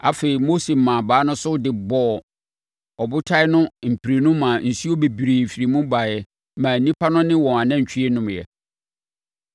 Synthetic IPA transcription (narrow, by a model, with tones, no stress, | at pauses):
a̰˦fe˨ɾi˨mo˦se˨mãː˨baː˨˦nʊ̃˦sʊ˦dɪ˨bɔ˦˨ | ɔ˨bʊ˦tʰa˦ɪ˦nʊ̃˦m̩˨pʰi˨ɾe˨nʊ̃˦mã˨n̩˨si˦o˦be˨bi˨ɾe˨fi˨ɾi˨mũ˦ba˨jɛ˦ | mã˨nĩ˦pʰa˦nʊ̃˦nɪ̃˦wɔ̃˨ã˨nã˦ɲ̩˨t͡ɕᶣʰi˦e˦nʊ̃˨mjɛ̰˨